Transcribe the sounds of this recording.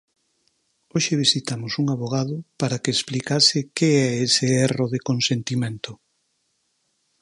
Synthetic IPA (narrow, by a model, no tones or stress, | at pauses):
oʃɪβisit̪amʊsuŋaβoɣ̞að̞ʊpaɾakeːsplikasɪkeɛesɪɛroðekonsent̪imẽnt̪ʊ